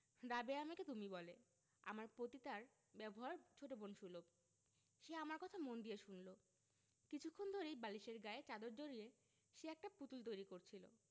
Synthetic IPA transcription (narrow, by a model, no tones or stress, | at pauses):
ɾabeamaket̪umibɔle | a̰maɾpɾot̪it̪aɾ | bɛboɦaɾt͡ɕʰoʈobonʃulob | ʃeamaɾkɔt̪ʰamond̪ijeʃunlo | kit͡ɕʰukʰːond̪ʱoɾejbaliʃeɾɡaet͡ɕad̪oɾd͡ʑoɾie | ʃeɛk̚ʈaput̪ult̪ojɾikoɾt͡ɕʰilo̰